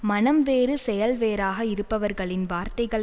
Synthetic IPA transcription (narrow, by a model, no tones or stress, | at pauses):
mɐnɐmʋeːɾɯsɛjɐlʋeːɾaːɣɐɪɾɯpːɐʋɐɾɣɐɭɪnʋaːɾt̪ɐɪɣɐɭ